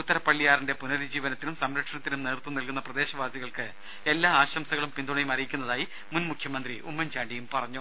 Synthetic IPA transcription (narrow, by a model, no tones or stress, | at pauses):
ut̪ːɐɾɐpːɐɭːijaːrinde̞punɐɾud͡ʑiːʋɐnɐt̪ːilumsɐmɾɐkʂɐɳɐt̪ːinumneːrt̪ːunilkunːɐprɐd̪e̞ːɕɐʋaːsiɣɐɭkɨ | e̞lːaːaːɕɐmsɐɣɐɭumpind̪uɳɐjumɐrijikʲːunːɐðaːji | munmukʰjɐmɐnd̪riʔumːɐɲt͡ɕaːɳɖijumpɐrɐɲːu